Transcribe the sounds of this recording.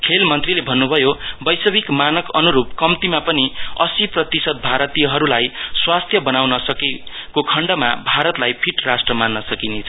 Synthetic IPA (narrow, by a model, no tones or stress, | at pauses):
kʰelmʌnt̪rilebʱʌnːubʱʌjobʌjsʌbikmanʌkʌnuɾupkʌmt̪imapʌniʌsiprʌt̪isʌd̪̚bʱaɾʌt̪ijʌɦʌɾulajswast̪ʰjʌbʌnawnʌsʌkekokʰʌɳɖʌmabʱaɾʌt̪lajpʰiʈrasʈrʌmanːʌsʌkinet͡sʰʌ